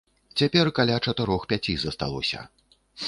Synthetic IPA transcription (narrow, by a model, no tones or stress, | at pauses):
t͡sʲapʲɛrkalʲat͡ʂɐt̪ɨɾɔxpʲat͡sʲizɐst̪a̰lˠɔ̰sʲɐ̰